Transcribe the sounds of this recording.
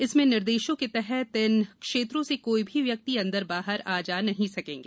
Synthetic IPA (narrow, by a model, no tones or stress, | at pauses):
ɪsmẽnɪɾd̪eːʃõket̪ɛɦɛɪnkʃeːt̪ɾõsekoːibʱiʋjɐk̚t̪iɐ̃nd̪əɾbaːɦəɾaːd͡ʒaːnɐɦĩsɐkẽːŋɡeː